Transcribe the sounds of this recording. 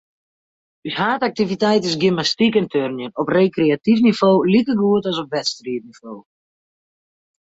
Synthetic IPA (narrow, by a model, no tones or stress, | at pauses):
yshaːtak̚tivitɛjtɪsɡɪmastikɛntʰørnjənɔpreːkreatifnivoːlikərɡuətɔs̬ɔpʋɛtstriətniv̥oː